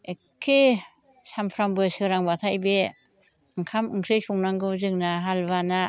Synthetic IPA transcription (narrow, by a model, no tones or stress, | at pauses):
ekʰːe | sampʰɾaŋbɯsɯɾaŋbat̪ʰajbe | ɯŋkʰamɯŋkʰɯjsɔŋnaŋɡɯzɯŋnaɦalbana